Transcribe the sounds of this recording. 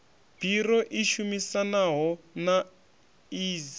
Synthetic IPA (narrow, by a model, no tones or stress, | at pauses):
b̥ʱiɾɔʔiʃumisanaɦɔna | iːz